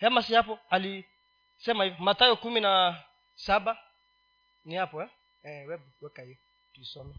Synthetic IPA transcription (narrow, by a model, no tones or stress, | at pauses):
jamasiapɔali | sɛmaifmatajokumĩna | saba | nĩapɔɛ | ɛ̃wɛbuɛkaji | tisɔmɔ